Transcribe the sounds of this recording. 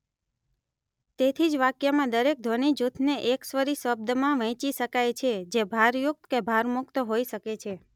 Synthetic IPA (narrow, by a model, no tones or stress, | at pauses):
t̪et̪ʰid͡ʒʋakjamãd̪əɾek̚d̪ʱoñid͡ʒut̪ʰneʔeksʋəɾiʃəb̚d̪əmãʋə̃t͡ʃiʃəkajt͡ʃʰed͡ʒebʱaɾjʊk̚t̪kebʱaɾmʊkt̪ɦoiʃəket͡ʃʰe